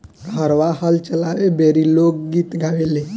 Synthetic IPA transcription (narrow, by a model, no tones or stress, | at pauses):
ɦəɾʋahəlt͡ʃəlaʋebʱeɾilok̚ɡiːt̪ɡʱaʋele